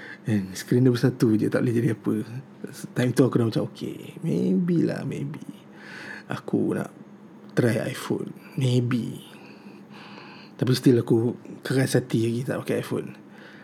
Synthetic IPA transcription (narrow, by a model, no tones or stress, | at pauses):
ɛnsə̥kɾinəbəsat̪ud͡ʒət̪aʔled͡ʒadiapə | t̪ajmt̪uakunaʔmat͡ʃamokʰḛmebila̰hmebi | a̰kṵna̰ʔ | t̪ɾaja̰jfo̰nmebi | t̪ap̬ist̪ilakukəɣasat̪iaɡit̪aʔokeajfo̰n